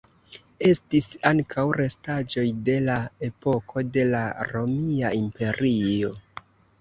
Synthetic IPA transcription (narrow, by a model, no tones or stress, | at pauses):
e̞stisaŋkʰawɾe̞stad͡ʒo̞jde̞lae̞po̞kʰo̞de̞laɾo̞miaimpe̞ɾio̞